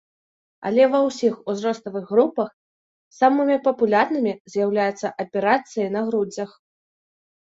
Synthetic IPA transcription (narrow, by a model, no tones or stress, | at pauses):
ɐ̰lʲɛvɐwsʲixuzrɔst̪ɐvɨɣːɾupɐx | samɨmʲipɐpulʲarnɨmʲizʲjawlʲajut̪sːɐʔɐpʲɛɾat̪sɨjɐnɐɣɾud͡zʲɐx